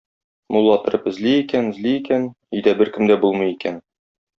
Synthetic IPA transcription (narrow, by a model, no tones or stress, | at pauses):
mulˠːɑt̪ɤ̆ɾɤpɘ̆zliikænɘ̆zliikæn | ijd̪æbɘɾkɘ̆md̪æbulˠmɤ̆jikæn